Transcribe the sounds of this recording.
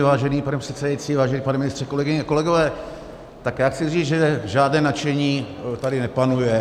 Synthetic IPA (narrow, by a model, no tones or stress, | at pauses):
vaːʒɛniːpanɛprɛt̪t͡sɛdajit͡siːvaːʒɛniːpanɛmɪnɪst̪r̥ɛko̞lɛɡɪɲɛako̞lɛɡo̞vɛː | t̪akjaːxt͡sɪriːd͡zʒɛʒaːdnɛːnat͡ʃɛɲiː | t̪adɪnɛpanujɛ